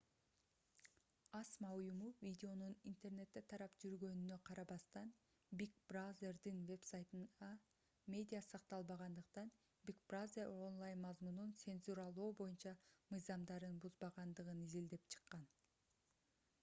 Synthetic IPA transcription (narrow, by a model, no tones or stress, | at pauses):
ɑsmɑujumuvʲidʲɪo̞nunint̪e̞rne̞t̪ːe̞t̪ʰɑɾɑpd͡ʒyɾɡø̞nynø̞qʰɑɾɑβɑst̪ɑn | bʲikbrazʲerd̪inve̞psajt̪ɯnɑ | mʲe̞dʲijasɑqt̪ɑlˠbɑʁɑnd̪ɯqt̪ɑn | bʲikbrazeɾo̞nlˠajnmɑzmununt̪se̞nzuɾɑlˠoːbo̞junt͡ʃɑmɯjzɑmd̪ɑɾɯnbuzbɑʁɑnd̪ɯʁɯnizild̪e̞pt͡ʃʰɯ̥qːɑn